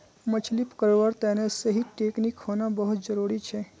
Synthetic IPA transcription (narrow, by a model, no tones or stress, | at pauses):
mət͡ʃʰlipkəɾʋəɾt̪enesəɦiʈeknikhonãbəɦut̪̚d͡ʒəɾuɾit͡ʃʰe